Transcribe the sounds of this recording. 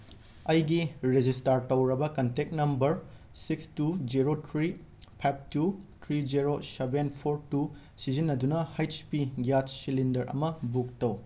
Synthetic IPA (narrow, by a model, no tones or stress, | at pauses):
ɐjɡiɾed͡ʒistaɾtɐwɾɐbɐkɐntek̚nɐmbɐɾ | sikstud͡ʒiɾotʰɾipʰajp̚ʰtutʰɾid͡ʒiɾosebenpʰoɾtu | sizinːɐdunɐhajtspiɡjat͡ʃsilindɐɾʔɐ̰mɐbuk̚tɐw